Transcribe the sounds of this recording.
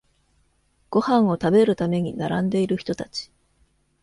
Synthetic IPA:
ɡ̥o̞hãɰ̃o̞t̪abe̞ɾɯ̟t̪ame̞ɲ̟inaɾãnd̪e̞iɾɯ̟çi̥t̪o̞t̪at͡ɕi̥

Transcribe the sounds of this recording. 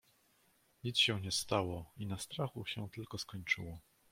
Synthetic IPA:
ɲit̪sɕɛ̃ɲɛst̪awɔinast̪ɾaxuɕɛt̪ɘlkɔskɔɲt͡ʂɘ̰wɔ

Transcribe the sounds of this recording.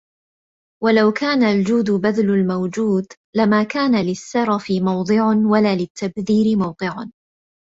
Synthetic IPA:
walawkʰaːnald͡ʒuːd̪ʊbaðlʊlmawd͡ʒuːd̪ | lamaːkaːnalɪsːɑɾˤɑfɪmɑwd̪ˤɨʕanwalaːlɪt̪ːabðiːɾɪmɑwq̪ɨʕan

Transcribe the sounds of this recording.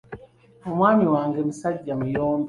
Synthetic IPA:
mumwamiwaːŋɡemisaliɟamujɔːmb

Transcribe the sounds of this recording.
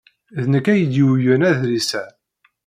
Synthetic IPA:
ðnəkːæjəd̪iwjənæðɾisæ

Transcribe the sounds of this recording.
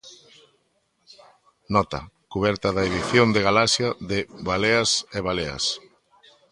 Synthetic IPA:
nɔt̪ɐ̰ | kuβ̞ɛɾt̪aðaeðiθjond̪eɣalasjaðɪβaleaseβalea̰s

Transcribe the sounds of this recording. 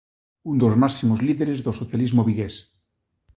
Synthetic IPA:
und̪ozmasimozliðeɾezðosoθjalizmoβiɣes

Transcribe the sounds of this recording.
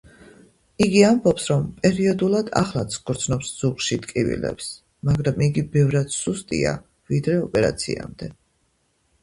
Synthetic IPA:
iɡiambɔpsɾɔmpʼɛɾiɔd̪ulˠad̪a̰χlˠat̪sʰɡʼɔɾt̪sʰnɔpsz̥uʁʃit̪kʼivḭlɛ̰ps | maɡɾamiɡibɛvɾad̪̥sust̪ʼḭa̰ | vid̪ɾɛɔpʼɛɾa̰t̪sʰḭa̰md̪ɛ

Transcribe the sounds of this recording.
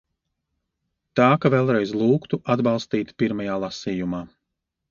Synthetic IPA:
t̪aːkavɛlˠɾɛjzlˠuːkt̪uʔad̪balˠst̪iːt̪piɾmajaːlˠasiːjumaː

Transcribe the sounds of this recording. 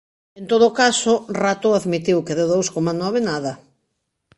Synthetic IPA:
ent̪oðʊkasʊrat̪ʊaðmit̪iwkeðɪðowskomanɔβɪnaðɐ

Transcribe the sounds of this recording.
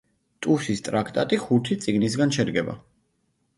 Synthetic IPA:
t̪ʼusist̪ʼɾakʰt̪ʼat̪ʼiχut̪ʰit̪sʼiɡnis̬ɡanʃɛd̪ɡɛba̰

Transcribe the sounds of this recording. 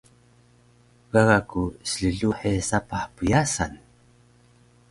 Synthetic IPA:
ɣ̥aɣakusɮəɮuħesapaħpujasa̰n

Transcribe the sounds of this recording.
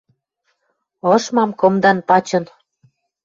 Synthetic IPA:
ɤʃmɑmkomd̪ɑnpɑt͡ɕɤ̆n

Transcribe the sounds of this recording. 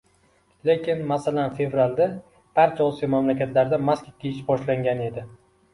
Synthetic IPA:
le̞kʲɪnmasalanfe̞vɾald̪a | b̥aɾt͡ʃʰaɒsijɒmamlakʲat̪laɾd̪amaskʲɪkʲʰːejɪʃbɒʃlaŋɡʲane̞d̪ɪ

